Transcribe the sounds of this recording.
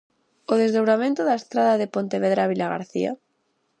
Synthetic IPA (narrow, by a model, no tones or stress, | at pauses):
oðezðowɾamẽnt̪oðaest̪ɾaðaðepont̪eβeðɾaβilaɣa̰ɾθḭa̰